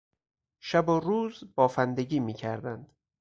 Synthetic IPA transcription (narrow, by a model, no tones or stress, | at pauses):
ʃæboɾuːzbɒːfænd̪eɡiːmiːcʰæ̰ɾd̪ænd̪̥